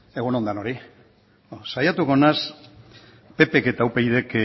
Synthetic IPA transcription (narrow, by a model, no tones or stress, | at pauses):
e̞ɣuno̞nd̪anoɾi | sajat̪uko̞nas | pe̞pe̞ke̞t̪aupejðe̞k